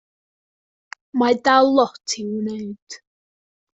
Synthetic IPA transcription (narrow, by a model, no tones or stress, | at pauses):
madalˠɔtʰiwneɨd̥